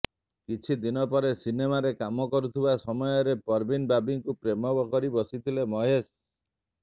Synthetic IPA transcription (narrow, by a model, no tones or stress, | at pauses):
kit͡ʃʰid̪inɔpɔɾesinemaɾekamɔkɔɾut̪ʰibasɔmɔjɔɾepɔɾbinbabiŋkupɾemɔbɔkɔɾibɔsit̪ʰilemɔɦes